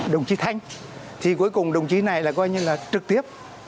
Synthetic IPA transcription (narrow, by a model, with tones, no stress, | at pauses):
ɗə˨˩wŋ͡mt͡ɕi˨˦t̪ʰa˧jŋ̟ | t̪ʰi˨˩ku˨˦əjkʊ˨˩ŋ͡mɗə˨˩wŋ͡mt͡ɕi˨˦na˨˩jlaː˨˩kɔ˧jɲɨ˧laː˨˩t͡ɕɨ˨˩k̚t̪i˦˥əp̚